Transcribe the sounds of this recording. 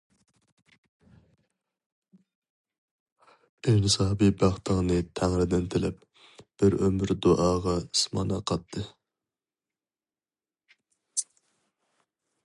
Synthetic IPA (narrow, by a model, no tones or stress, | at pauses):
enɨsɑːbibæχt̪ʰəŋnɨt̪ʰæŋɾɪd̪ɪnt̪ʰɪlɪp̚ | b̥ɪɾømɾd̪oʔɑːʁɑismɑ̰nɑqʰɑt̪ʰːɨ